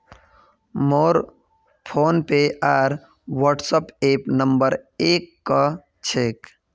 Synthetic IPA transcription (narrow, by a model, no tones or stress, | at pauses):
moːɾ | pʰoːnpeʔaːɾ | ʋəʈsəpeːpnəmbəɾeːkːa | t͡ʃʰek